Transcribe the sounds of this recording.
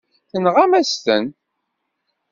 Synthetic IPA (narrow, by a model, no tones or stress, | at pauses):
θənʁæmæst̪ən